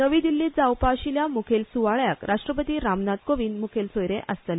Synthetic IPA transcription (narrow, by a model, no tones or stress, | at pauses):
nəʋiːd̪ilːiːd͡zawpaɕiljamukʰelsuʋaɭjakɾʔaʂʈɾəpət̪iːɾamnat̪̚koʋiːnmukʰelsojɾeʔəst̪əl